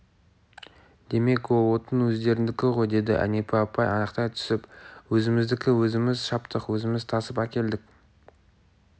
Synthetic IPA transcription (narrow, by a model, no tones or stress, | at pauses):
d̪̥e̞me̞kwolˠwo̞t̪ənwɵzd̪e̞ɾɪnd̪ɪkʲɪʁo̞jd̪e̞d̪ɪʔæ̰ne̞pʰɪɑpɑjɑnəqt̪ɑjt̪ʰʏ̥sɪpwɵzɪmɪzd̪ɪkʲɪwɵzɪmɪzʃɑpt̪əqwɵzɪmɪzt̪ʰɑsəpækʲe̞ld̪ɪk̚ʲ